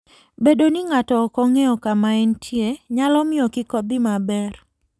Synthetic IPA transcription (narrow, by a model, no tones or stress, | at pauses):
bedonɪŋatɔːkɔŋeɔkamaɛntʰjeɲalɔmɪɔkɪkobimabɛr